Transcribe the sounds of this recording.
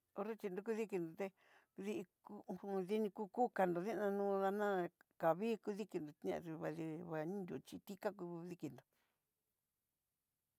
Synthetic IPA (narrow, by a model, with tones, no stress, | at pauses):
o˧ɾe˦t͡ʃi˧nd̪u˧k̬u˦ði˦ki˧nd̪o˨t̪e˧ | ði˧ʔi˧kũ˧ði˧nĩ˧ku˦ku˦ka˧nd̪o˨ðĩ˦nã˧nũː˦˧˦ða˧nã˦ka˨βiː˦ku˧ði˦ki˧nd̪o˨t̪ã̰˧ði˧βa˧ði˧βa˧nĩ˦nd̪ʲu˨˧t͡ʃi˧t̪i˦ka˦ku˧ði˧ki˧˨nd̪o˨